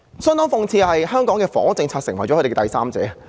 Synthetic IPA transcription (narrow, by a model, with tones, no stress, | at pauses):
sœː˥nt̪ɔː˥ŋfʊ˨˧ŋt͡sʰiː˧hɐ˨jhœː˥ŋkɔː˨˥ŋkɛː˧fɔ̰ː˨˥ŋt͡sɪ˧ŋt͡sʰaː˧t̚sɪ˨˩ŋwɐ˨˩jt͡ɕɔ˨˧˥e˨˩˧ɛ˥t̪jsaː˥mt͡sɛ̰ː˨˥